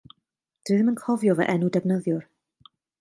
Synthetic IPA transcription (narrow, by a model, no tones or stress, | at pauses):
d̥ɨɨðəmənkʰɔvjɔvɛ̰ʔɛnudɛvnəðjʊr